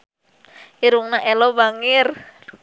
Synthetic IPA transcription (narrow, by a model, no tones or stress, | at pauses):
iɾuŋnaʔɛlɔbaŋɪr